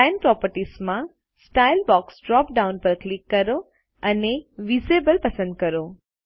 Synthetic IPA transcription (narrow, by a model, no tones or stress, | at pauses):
ãnpɾɔpəɾʈismã | sʈailbɔksɖɾɔpɖaunpəɾklikːəɾo | əneʋisebəlpəsə̃nd̪̚kəɾo